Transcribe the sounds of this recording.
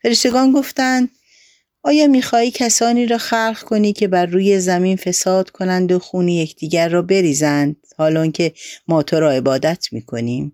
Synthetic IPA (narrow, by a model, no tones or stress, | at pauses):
feɾeʃt̪e̞ɡɒːnɡo̞ft̪ænd̪ | ɒːjɒːmiːxɒːhiːcʰæsɒːniːɾɒːxæɾxkʰo̞niːcʲʰe̞bæɾːuːje̞zæmiːnfe̞sɒːd̪̥kʰo̞nænd̪oxuːnijecʰd̪̥iːɟæɾːɒːbe̞ɾiːzænd̪̥hɒːlɒːŋcʰe̞mɒːt̪ʰoɾɒːe̞bɒːd̪æt̪ʰmiːkʰo̞̰niːm